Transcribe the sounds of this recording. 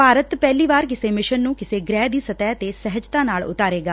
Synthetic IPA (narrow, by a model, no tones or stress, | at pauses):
paːɾət̪pɛːliːʋaːɾkɪseːmɪʃənːũːkɪseːɡɾɛːd̪iːsət̪ɛːt̪eːsɛɦəd͡ʒt̪ãːnaːlʊ̰t̪aːɾeːɡaː